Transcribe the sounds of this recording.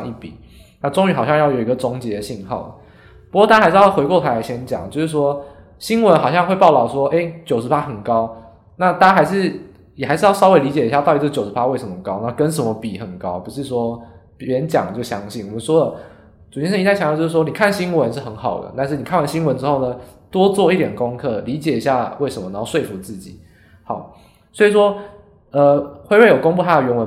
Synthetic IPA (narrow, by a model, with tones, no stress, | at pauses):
i˥˩pḭ˨˩˦ | na˥˩ʈ͡ʂo˥ŋy˧˥˩xɑ˨˩ɕjɑ˥˧ŋjɑ˥˩ʊjo˨˩ʊi˧˦ɡə˨˧ʈ͡ʂʊ˧˥ŋt͡ɕjɛ˧˥d̪ə˨ɕi˥˧nxɑ̰˥˩ʊlə̰˩ | pu˧˥kwɔ˥˧t̪a˥˩a˥˧ɪʂɻxwe˧ɪkwɔ˥˩t̪ʰa˧˥˨ɕjɛ˥nt͡ɕjɑ̰˨˩ŋt͡ɕo˥˧ʊʂɻ̩˥˩ʂwɔ˦˥ | ɕi˥nwə˧˦nxɑ˨˩ʊɕjɑ˥˧ŋxwe˥˧ɪpɑ˥˩ʊt̪ɑ˨˩ʊʂwɔ˥ʔe˥ɪt͡ɕjo˨˩ʊʂɻ̩˧˥pa˦˥xə˨˩nkɑ˦ʊ | na˥˧t̪a˥˩a˥xa˧˥ɪʂɻ̩˥˩ | jɛ˨˩xa˧˥ʂ̩˥˧jɑ˥˩ɑ˥we˧˥ɪli˧˥t͡ɕjɛ˨˩i˧˥ja˧t̪ɑ˥˩t̪i˧˩˥t͡ɕjʊʂɻ̩˧˥pa˥we˥˩ɪʂə˧˦mə˩kɑ˥ʊna˥kə˦nʂ̬ə˧˥nmə˦pi˨˩xə˨˩nkɑ˦ʊpu˨˧ʂɻ̩˥˩ʂwɔ˥pɻə˧˦nt͡ɕjɑ̰˨˩ŋd̪ə˩t͡ɕjo˥˩ʊɕjɑ˦ŋɕi˥˩nwɔ˨˩mə˦nʂwɔ˥d̪ə˨ | ʈ͡ʂu˨˩jɛ˥nʂə˥˧i˧t̪a˥˩ɕjt͡ɕjo˥˧ʊ˥ʂ̩˥˩wɔ˥ni˨˩kʰa˥˨nɕi˥nwə˧˦nʂ̬̩˥˩xə˧˥nxɑ˨˩ʊd̪ə̰˩t̪a˥˧nʂɻ̩˥˩ni˨kʰa˥nwa˧˥nɕi˥nwə˧˦nʈ͡ʂɻ̩˥xo˥˩ʊnə˩t̪wɔ˥t͡swɔ˥˧i˥˩t̪jɛ˨˩nko˦ŋkʰɤ˥˩li˨˧˥t͡ɕjɛ˨˩i˧˦ɕja˥˧we˥˩ɪʂə˨˧˥mə˨˩a˨˦˥o˥˧ʂwe˥˩ɪfu˧˥t͡sɹ̩˥˩t͡ɕi˨˩˦ | hɑ˨˩˦ʊ | swɔ˧˥i˨ʂ̬wɔ˥ | ə˧xwe˥˧ɪwe˥˩jo˨˩ko˥ŋpu˥˩t̪ʰa˥də˨ɥɛ˧˥nwə˧˦